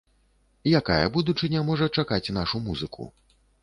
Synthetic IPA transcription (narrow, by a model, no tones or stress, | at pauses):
jaka̰jɐ̰bud̪ut͡ʂɨnʲɐmɔʐɐt͡ʂakat͡sʲn̪aʂumuzɨkʰṵ